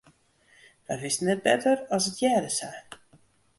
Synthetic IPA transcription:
ʋɛʋɪsnɛt̚bɛ̰tərɔsətʰjɛːdəsɛj

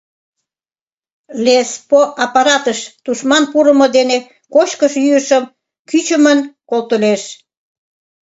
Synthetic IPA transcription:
lespoʔɑpɑɾɑt̪əʃt̪uʃmɑnpuɾəmod̪ene | kot͡ɕkəʃyəʃəm | kyt͡ɕəmənkolt̪əleʃ

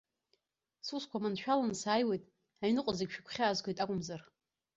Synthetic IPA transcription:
suskʷʰamanʃᶣalansaːjwe̞jtʼ | ajinɨqʷʼəzaɡʲʃᶣakʷʰχʲaːzkʷʰejtʼakʷʼʊmzar

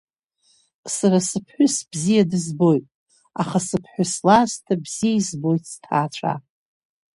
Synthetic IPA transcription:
saɾasɨpʰħʷᶣʊsbzijadɨzbo̞jtʼ | aχasɨpʰħʷʊslaztʰabz̥ijaizbo̞jtʰʼstʰaːʈ͡ʂʷʰa̰

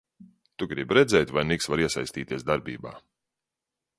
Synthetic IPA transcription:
t̪uɡɾibɾɛd̪zʲɛjt̪ʲvajniksvaɾiɛsa̰jst̪ʲiːt̪ʲiɛsd̪aɾbḭːba̰ː

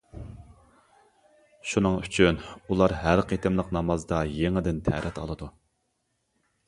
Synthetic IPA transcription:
ʃunɨŋyt͡ʃʰynulˠɑɾɦæɾqʰet̪ʰɪmlˠəqnɑmɑzd̪ɑjeŋɪd̪ɪnt̪ʰɛ̰ɾʔɛt̪ʰɑ̰lˠɨd̪u

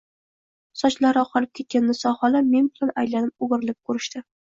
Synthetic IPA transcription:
sɒt͡ʃlaɾɒqʰɑlɪp̚kʲʰe̞t̪̚kʲanːɪsɒhɒlame̞nbɪlanajlanɪp̚obɨɾɪlɪp̚kʰɵɾɪʃt̪ɪ

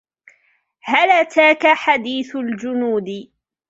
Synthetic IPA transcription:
halat̪aːkaħad̪iːθʊld͡ʒʊnuːd̪ɪ

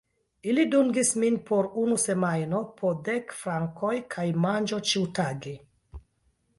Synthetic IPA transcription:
iliduŋɡisminpʰo̞ɾunuse̞majno̞pʰode̞kfɾaŋkʰo̞jkʰajmand͡ʒo̞t͡ʃiwtaɡe

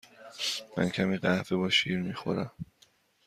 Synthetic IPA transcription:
mæ̰ncʰæmiːɢæhvebɒːʃiːɾmiːxo̞̰ɾæm

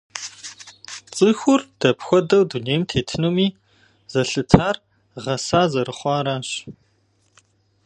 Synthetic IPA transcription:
t͡sʼɨxʷʊrd̥ɐpxʷɔdɐwduneːmtʰeːtʰɨnumiː | z̥ɐɬɨtʰaːr | ʁɐsaːzɐɾɨχʷɑːɾaːɕ

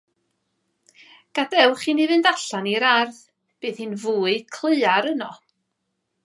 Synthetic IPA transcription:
ɡ̥adɛwχinivɨndaɬaniɾarθ | b̥ɨːðhɨːnvuːɨkʰlˠɪːaɾənɔ

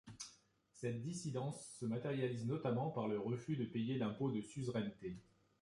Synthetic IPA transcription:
sɛt̪̚d̪isid̪ɑ̃sːəmat̪eʁjaliznɔt̪amɑ̃paʁləʁəfyd̪əpejelɛ̃pod̪əsyvʁɛnt̪e

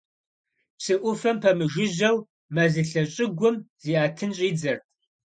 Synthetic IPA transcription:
psɨʔʷʊfɐmpʰɐmɨʒɪʑɐw | mɐzɨɬɐɕʼɪɡʷʊmz̥iːaːtʰɨnɕʼiːd͡zɐrtʰʼ

